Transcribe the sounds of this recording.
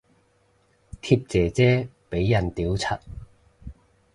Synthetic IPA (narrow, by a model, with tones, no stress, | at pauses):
t̪ʰi˧p̚t͡sɛː˨t͡sɛː˥pe˨˥jːɐ˨˩nt̪iː˨˥wt͡sʰɐ˥t̚